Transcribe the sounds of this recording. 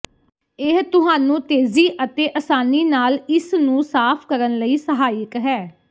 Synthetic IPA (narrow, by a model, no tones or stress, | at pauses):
ɪɦt̪ʊɦaːnũːt̪eːziːʔət̪eːʔəsaːniːnaːlɪsnũːsaːpʰkəɾənləiːsəɦaːɪkɦɛː